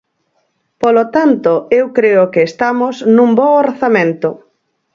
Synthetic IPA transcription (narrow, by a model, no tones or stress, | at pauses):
polot̪ant̪ʊewkɾeʊkeːst̪amoznũmbɔorθamẽnt̪ʊ